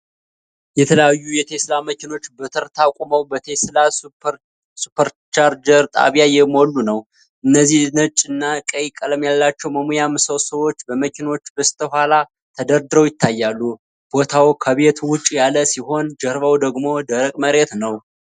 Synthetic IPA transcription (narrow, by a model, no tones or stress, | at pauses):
jɛt̪ʰələjajːujɛt̪ʰe̞slaməkɪno̞t͡ʃːbət̪ʰəɾt̪ʰakʷʼuməwbət̪ʰesla | supʰəɾt͡ʃaɾd͡ʒəɾt̪ʼa̰βjajɛmo̞lːunəw | ʔɨnːəzːihnət͡ʃʼːɨnːakʼəjkʼələmjalːat͡ʃːɛwməmujamːɨsowsəwo̞t͡ʃːbəməkɪno̞t͡ʃːbəst̪ʰəhʷala | t̪ʰəd̪əɾd̪ɨɾəwjɪt̪ːajːalːu | b̥o̞t̪ʰawkʰəβe̞t̪wʊt͡ʃʼːjaləsiɦo̞nd͡ʒəɾβəwd̪əɡmo̞d̪əɾəkʼməɾe̞t̪nəw